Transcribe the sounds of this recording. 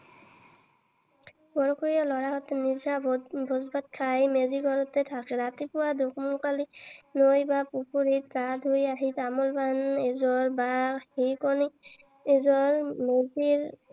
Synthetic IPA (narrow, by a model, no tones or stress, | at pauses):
bɔɹɔkuɹijalɔɹaɦɔt̪nizabʱɔzbat̪̚kʰajmeziɡɔɾɔtɛtʰakɛɾat̪ipuwad̪ukmukalinojbapupuɾit̚kad̪ʱojaɦit̪amɔlbanezɔɹbahikɔni | ezɔɹmeziɹ